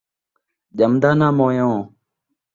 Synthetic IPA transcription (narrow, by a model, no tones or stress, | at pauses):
ʄəmd̪aːnãːmõːjõː